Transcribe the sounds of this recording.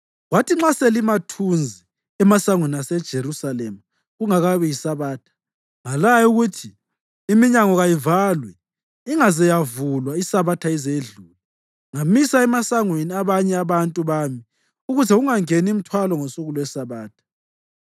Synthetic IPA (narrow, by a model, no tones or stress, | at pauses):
watʰiŋ͡ǁaselimatʰund͡zʱi | ɛmasaŋweniasɛd̥ʒ̥ʱeɾusalɛma | ɣuŋaɣaβɛjisaβaːtʰḁ | ŋalajuɣutʰi | imiɲaŋɔɣajivalwɛ | iŋazɛjavulwaisaβatʰaɛzeɮuːlɛ | ŋamisaɛmasaŋweniaβaɲɛaβantʼuβaːmi | uɣuzɛuŋaŋenim̩tʰwalɔŋosuɣulɔwɛsaβaːtʰḁ